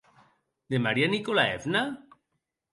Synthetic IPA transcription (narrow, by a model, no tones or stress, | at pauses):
d̪emaɾianikolaḛfna